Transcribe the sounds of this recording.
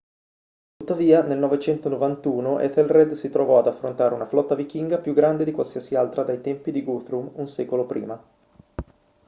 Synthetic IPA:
t̪ut̪ːaviːanelnɔvet͡ʃɛnt̪onovant̪uːnoʔɛ̰t̪elrɛd̪sit̪ɾovɔad̪afːɾont̪aːɾeunaflɔt̪ːavik̟iŋɡapjuɡɾand̪ed̪ikwalsiasialt̪ɾad̪ajt̪ɛmpid̪iɡut̪ɾumunsɛːkolopɾʔḭːma

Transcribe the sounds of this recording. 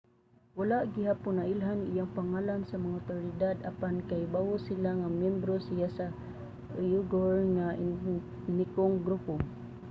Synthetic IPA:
walaʔɡiɦapʊnaʔilɦanijaŋpaŋalansamaŋaʊt̪oɾid̪ad̪apankajbawʊsilaŋamjɛmbɾosijasa | juɡoɹŋa | nikoŋɡɾupo

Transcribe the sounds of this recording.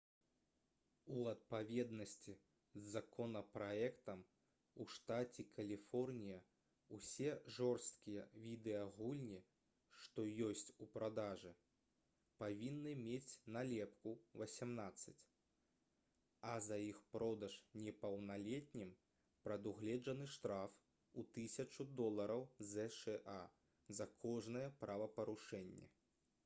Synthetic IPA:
uɐt̪̚pavʲɛd̪nɐsʲt͡sʲi | zzakɔnɐpɾaɛkt̪ɐm | uʂt̪at͡sʲikʰɐlʲifɔrnʲijɐ | usʲɛʐɔrst̪̚kʲijɐvʲid̪ɛɐɣulʲnʲi | ʂt̪ɔjɔsʲt͡sʲupɾad̪aʐɨ | pavʲinːɨmʲet͡sʲnalʲɛpkuvɐsʲamnat̪sːɐt͡sʲ | ɐzɐjixpɾɔd̪ɐʂnʲɛpɐwnalʲɛt̚ʲnʲim | pɾɐd̪uɣlʲɛd͡ʐɐn̪ɨʂt̪ɾaf | ut̪ɨsʲɐt͡ʂud̪ɔlˠɐɾɐwzɛʂɛʔa | zɐkʰɔʐnɐjɛpɾavɐpɐɾuʂɛnʲːɛ̰

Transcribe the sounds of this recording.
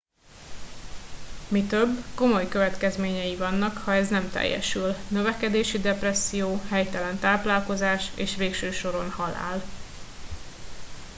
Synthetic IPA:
mit̪ø̞bːko̞mo̞jkø̞vɛt̪kɛzmeːɲɛjivɒnːɒkhɒɛznɛmt̪ɛ̰jːɛ̰ʃylnø̞vɛkɛd̪eːʃid̪ɛprɛsːijoːhɛjt̪ɛlɛnt̪aːplaːlko̞zaːʃeːʃʋeːkʃøːʃo̞ɾo̞nhɒla̰ːl

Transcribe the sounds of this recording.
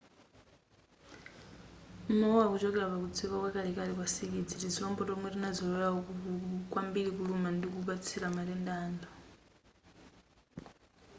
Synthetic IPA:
umɔwɔwakut͡ʃɔkɛlapakut͡sʰiβakwɛkalikalikwasikid͡zitid͡ziɔmbɔtɔmwɛrinad͡zɔjɛjaukukwambiɺikulumandik̬uβat͡sʰilamaɾɛndaːndɔ

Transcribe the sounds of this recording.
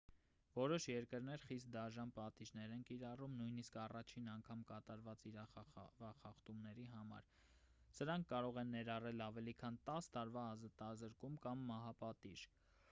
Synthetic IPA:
vɔɾɔʃjɛɾkəɾn̪ɛɾχist̪̚d̪ɑʒɑnpɑt̪iʒnɛɾɛnkiɾɑrumnujniskɑrɑt͡ʃʰinɑŋkʰɑmkɑt̪ɑɾvɑt͡siɾɑvɑχɑχt̪umnɛɾiɦɑmɑ̰ɾ | səɾɑŋkʰːɑɾɔʁɛnːɛɾɑrɛlɑvɛlikʰɑnt̪ɑst̪ɑɾvɑːzɑt̪ɑzəɾkumkɑmːɑɦɑpɑt̪iʒ̥

